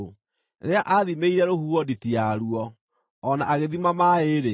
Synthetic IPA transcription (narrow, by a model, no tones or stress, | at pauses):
ɾeaʔaðimeiɾɛɾohuwɔditiaɾuɔː | naaɣeðimamaeɾe